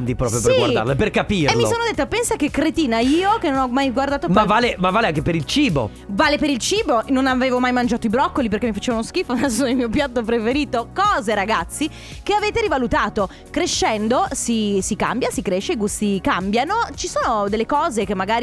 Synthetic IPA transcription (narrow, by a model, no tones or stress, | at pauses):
nd̪ipɾɔːpɾjopesriɡward̪a̰rleperkapimlmːissoːnod̪et̪ːapɛnsakekːɾet̪iːnaiːokenonɔmːajɡward̪aːt̪opmavːaːlemavːaːleaŋkepeɾilt͡ʃiːbo̰ | vaːlepeɾilt͡ʃiːbononaveːvomajmand͡ʒaːt̪oibɾɔkːolip̬erkemːifḁt͡ʃeːvaunosk̟iːfonasːonelmiːopjat̪ːopɾefeɾiːt̪okɔːzeɾaɡat̪sːi | keaveːt̪eɾivalut̪aːt̪o | kɾeʃːɛnd̪osisika̰mbjasikɾeʃːeiɡust̪ikambjanot͡ʃisoːnod̪elːekɔːzek̟emːaɡaːɾi